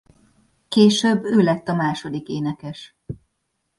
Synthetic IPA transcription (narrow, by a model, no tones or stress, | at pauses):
keːʃøbːøːlɛt̪ːɒmaːʃo̞d̪ikeːnɛkɛʃ